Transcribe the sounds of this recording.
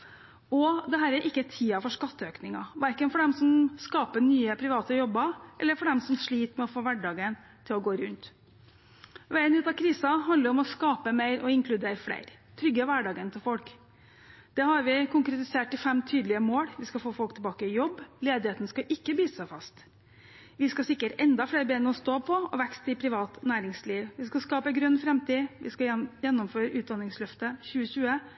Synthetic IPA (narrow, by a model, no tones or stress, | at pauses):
ɔd̪ɛɦæːɾæɾʔɪkːət̪ʰiːɑfɔʂkɑt̪ːəøːknɪŋɑ̰ʋæɾkənfɔɖɛmsɔmskɑːpənyːəpʰɾɪʋɑːt̪əjɔbːɑʔɛlːəɾfɔɖɛmsɔmʂɭiːt̪mɛɔfoːʋæɖɑːɡən | t̪ʰɪlɔɡoːɾʉnt̪ | ʋæɪənʉːt̪ɑkʰɾiːsɑɦɑnd̪əɾɔmɔskɑːpəmeɪɾʔɔɪŋkʰlʉd̪eːɾflḛɪɾt̪ʰɾʏɡːəʋæɖɑːɡənt̪ʰɪlfɔlk | d̪̥ɛhɑɾʋɪkʰʊŋkɾɛt̪ɪseːʈːɪfɛmt̪ʰyːd̪lɪəmoːɽʋɪskɑfɔoːfɔlk̚t̪ʰɛbɑːkəɪjɔbːleːd̪ɪheːt̪n̩skɑʔɪkːəbiːsəsæɪfɑ̰st̪ | ʋɪskɑsɪkːəʈɛnd̪ɑfleːɾbɛɛnːəɔst̪oːpʰɔɔ̰ʋækst̪ɪpʰɾɪʋɑːt̪næːɾɪŋsliːʋʋɪskɑskɑːpəɡɾʉnːfɾɛmt̪ʰiːʋʔɪ̰skɑjɛnːɔmføːɾəʉːd̪ɑnːɪŋslœft̪əçʉːəɕʉːə